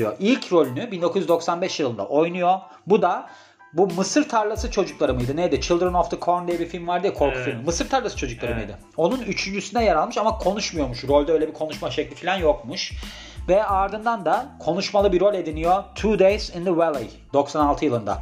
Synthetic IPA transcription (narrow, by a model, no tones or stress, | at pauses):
joʔilʲcʰɾo̞lʲynybind̪o̞kuzjyzd̪o̞ksanbɛʃjɯlˠɯnd̪a̰ʔo̞jnujo̞ | bud̪a | bumɯsɯɾt̪ʰaɾlˠasɯt͡ʃʰo̞d͡ʒuklˠaɾɯmɯjd̪ɯnejd̪ɪt͡ʃʰilˠd̪ɾɛnɔfd̪əkʰoɾnd̪ejɛbifilʲmvaɾd̪ɯjɛkʰo̞ɾkʰufilʲmimɯsɯɾt̪ʰaɾlˠasɯt͡ʃʰo̞d͡ʒuklˠaɾɯmɯjd̪ɯ | o̞nunyt͡ʃʰynʲd͡ʒysynɛjaɾalˠmɯʃamakʰo̞nuʃmujo̞ɾmuʃɾo̞lʲd̪ɛøjlʲɛbikʰo̞nuʃmaʃɛclʲifilʲanjo̞kmuʃ | vɛaɾd̪ɯnd̪and̪akʰo̞nuʃmalˠɯbiɾo̞lʲe̞d̪inijo̞t̪ʰuːd̪ejzind̪əwelˠḛj | d̪̥o̞ksanalˠt̪ʰɯjɯlˠɯnd̪a̰